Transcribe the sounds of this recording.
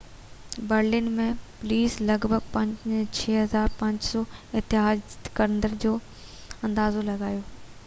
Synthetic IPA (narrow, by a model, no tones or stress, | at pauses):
bəɾlɪnmẽpʊliːslɐɡbʱəɡpɐ̃ɲd͡ʑt͡ɕʰeːɦɐzaːɾpɐ̃ɲd͡ʑsɔːɪt̪ɪɦaːd͡ʑkɐɾənd̪əɾd͡ʑoː | ɐ̃nd̪aːzolɐɡaːjoː